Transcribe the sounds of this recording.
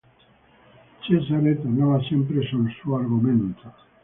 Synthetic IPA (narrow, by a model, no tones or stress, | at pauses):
t͡ʃesaɾet̪anaβasjempɾesonsuaɾɣumẽnt̪o